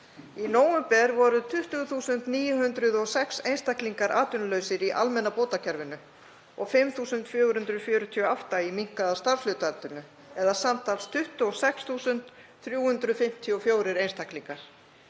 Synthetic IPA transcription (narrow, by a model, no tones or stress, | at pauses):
inoːwʏmpɛɾvɔɾʏt̪ʰʏht̪ʏɣθuːsʏnt̪niːjʏɦʏnt̪ɾʏðɔɣsɛksejnst̪akliŋkaɾʔaːt̪ʏnʏlœɥsɪɾiʔa̰lmɛnːapoːt̪acʰɛɾvɪnʏ | ɔɣfɪmθuːsʏnt̪fjœːɣɾhʏnt̪ɾʏðfjœːɾʏt̪ʰiɔawft̪aimiŋ̥kaðast̪aɾvflʏːt̪alt̪ʏnʏ | ɛðasamt̪alst̪ʰʏht̪ʏɔsɛksθuːsʏnt̪ | θɾjuːhʏnt̪ɾʏfɪm̥t̪ʰiɔfjoːwɾɪɾejnst̪ʰakliŋkaɾ̥